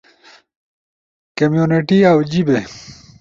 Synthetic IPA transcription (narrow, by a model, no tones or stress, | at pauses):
kɐmjuniʈiawd͡ʑibe